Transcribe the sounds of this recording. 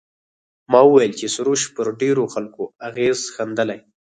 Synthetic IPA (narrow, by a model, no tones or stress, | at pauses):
mɑwəwajlt͡ʃesʊɾoʃpəɾɖeɾoxalkoaɣezxand̪əlaj